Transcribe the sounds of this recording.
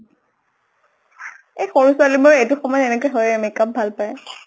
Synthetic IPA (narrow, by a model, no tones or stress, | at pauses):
ejxoɹuswalimɔɹetʊxɔmɔjenɛkɔjɦɔjɛmikap̚bʱalpaj